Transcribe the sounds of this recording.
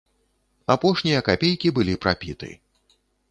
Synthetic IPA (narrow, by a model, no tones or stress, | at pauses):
apɔʂnʲijɐkapʲejkʲibɨlʲipɾapʲit̪ɨ̰